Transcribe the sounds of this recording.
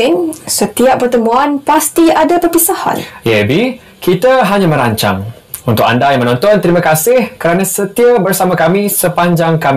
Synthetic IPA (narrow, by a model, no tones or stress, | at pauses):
insət̪iaʔ̚pərt̪əmũanpast̪iadapərpisaha̰njɛbi | kit̪aɦaɲãmə̃ɾaɲt͡ʃa̰ŋ | unt̪ʊka̰ndajaŋmə̃nɔ̃nt̪ɔnt̪əɾimãkasɪhkəɾanãsət̪iabərsamãkamĩsəpaɲd͡ʒaŋkamĩ